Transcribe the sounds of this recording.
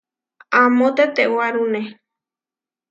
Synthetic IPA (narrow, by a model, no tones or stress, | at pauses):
amõt̪et̪ewaɾune